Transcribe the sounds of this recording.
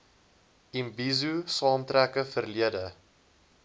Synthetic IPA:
imbizusɑːmtɾækəfərliədə

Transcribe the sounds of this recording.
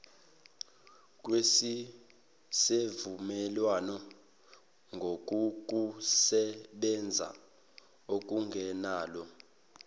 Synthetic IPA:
k̬ʼwesi | sevumɛlwanɔ | ŋɡʱok̬ʼuk̬usɛɓɛnd͡zʱa̰ | ok̬ʼuŋɡʱɛnaːlɔ

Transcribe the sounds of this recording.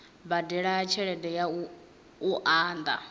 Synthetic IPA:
badɛɺaːt͡ʃʰɛɺɛdɛjau | uʔaːnd̪a̰

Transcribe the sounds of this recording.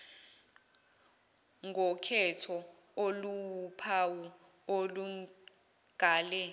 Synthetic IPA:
ŋʱɔkʰɛtʰɔ | oluwpʰawɔ | olu | ɡ̥ʱaːlɛ

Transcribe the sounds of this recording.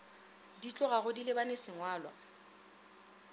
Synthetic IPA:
dit͡ɬʼʊɣaɣʊdilɪbanesɪŋwaːlwa̰

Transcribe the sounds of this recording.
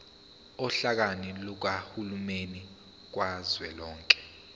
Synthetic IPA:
ɔɬak̬anilɔk̬ahulumeni | k̬wazwɛlɔːŋkʼɛ̥

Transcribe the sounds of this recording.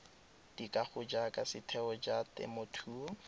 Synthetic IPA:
d̥ikaχʊd͡ʒakʼasɪtʰɛɔd͡ʒatɛ̰motʰuːɔ

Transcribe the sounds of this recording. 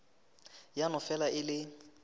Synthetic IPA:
janʊfɛlaʔɪlɪ

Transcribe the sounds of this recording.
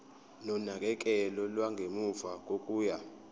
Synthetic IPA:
nɔnak̬ʼɛk̬ʼɛlɔlwaŋɡʱemufak̬ʼokʼuːja

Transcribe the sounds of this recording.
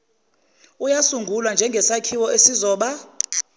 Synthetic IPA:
ujasuŋɡʱulwand͡ʒʱɛŋɡʱɛsakʰiwɔʔesizɔːɓa

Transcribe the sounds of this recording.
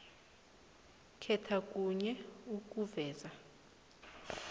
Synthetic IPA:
kʰɛtʰakʼuɲɛuk̬ʼuvɛːza

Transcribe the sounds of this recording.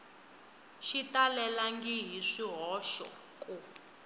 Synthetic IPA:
ʃitalɛlaŋɡiɦiʂiɦɔʃɔ̰ | kʼu

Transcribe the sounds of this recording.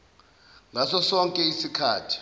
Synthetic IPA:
ŋʱasɔsɔŋkʼɛisikʰaːtʰi̥

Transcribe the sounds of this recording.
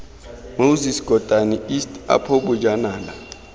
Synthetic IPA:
mowzisɡ̥ʱɔd̥ʱaniistʰʼa̰pʰoɓud͡ʒanaːla

